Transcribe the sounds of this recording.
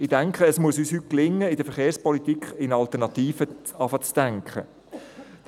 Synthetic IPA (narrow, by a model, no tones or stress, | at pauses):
ɪdæŋkχəːsmuəsyːshyt̚klɪŋːəɪd̥əɾfəχeːɾspɔlit̪ikχɪnɑlt̪ənɑt̪iːfəɑfɑt͡sd̪̥æŋkʰχə̰